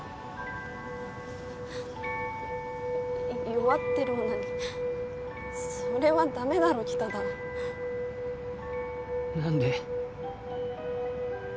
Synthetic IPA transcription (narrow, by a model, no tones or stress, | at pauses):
jo̞βat̪ːe̞ɾɯ̟naɲʲi | so̞ɾe̞βad̪ame̞d̪aɾo̞kʲi̥t̪ad̪a | nãnd̪e